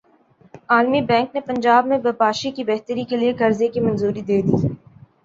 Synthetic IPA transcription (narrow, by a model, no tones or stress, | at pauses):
aːlmibɛ̃ːŋknepɐ̃ɲd͡ʒaːbmẽbɐpaːʃikibɛɦt̪əɾikeliekɐɾzekimɐ̃nzuːɾid̪eːd̪iː